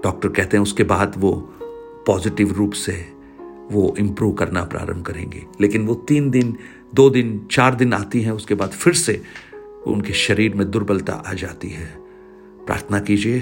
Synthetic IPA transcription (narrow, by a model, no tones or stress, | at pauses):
ɖ̥ɔːk̚ʈəɾkɛɦt̪eɦɛʊskebaːd̪ʋo | pɔːzɪʈɪʋɾuːpse | ʋoʔɪ̃mpɾuːʋkɐɾna̰pɾa̰ːɾə̰̃mbʱkɐɾḛ̃ːŋɡḛːleːkɪnʋot̪iːnd̪ɪn | d̪oːd̪ɪnt͡ʃaːɾd̪ɪna̰ːt̪iɦɛ̃ʊskebaːd̪fɪɾse | o̰ʊ̰nkeʃɐɾiːɾmẽd̪ʊɾbɐlt̪a̰ʔaːd͡ʒaːt̪iɦɛː | pɾa̰ːɾt̪ʰənakiːd͡ʒieː